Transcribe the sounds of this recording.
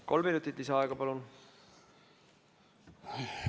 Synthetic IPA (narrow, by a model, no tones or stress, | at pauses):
ko̞lminut̪ːˑit̪lisɑɑeɡ̥ɑpɑlun